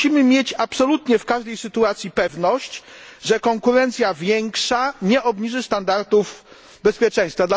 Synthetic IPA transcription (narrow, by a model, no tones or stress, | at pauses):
imɘmʲjet͡ɕapsɔlut̪ɲɛfkaʐd̪ɛjsɘt̪uat̪sʲjipɛvnɔɕt͡ɕʐɛkɔŋkuɾɛnt̪sʲjavʲjɛŋkʂaɲɛʔɔbɲiʐɘst̪and̪aɾt̪uf | bɛspʲjɛt͡ʂɛ̃j̃st̪fad̪l